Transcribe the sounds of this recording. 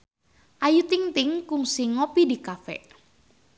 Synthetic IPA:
ʔajut̪iŋt̪ɪŋkʊŋsiŋɔpidikafɛ̰ʔ

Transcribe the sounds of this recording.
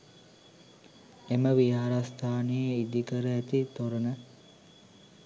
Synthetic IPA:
eməʋijaːɾast̪ʰaːnejəid̪ikəɾəæt̪it̪oɾənə

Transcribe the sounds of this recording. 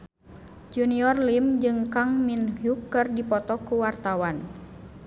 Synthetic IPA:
d͡ʒuniɔrlimd͡ʒɨŋkaŋminhukːɨrdipɔt̪ɔkuwart̪awan

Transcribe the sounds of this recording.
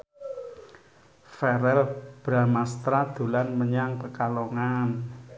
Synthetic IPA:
fɛɾɛlb̥ɾamast̪ɾad̪̥ṳlanməɲaŋpəkaloŋan

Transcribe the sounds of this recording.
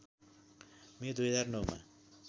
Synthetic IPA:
med̪ujɦʌd͡zarnʌwma̰

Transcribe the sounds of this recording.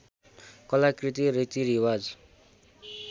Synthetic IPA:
kʌlakrit̪iɾit̪iɾiwad͡z

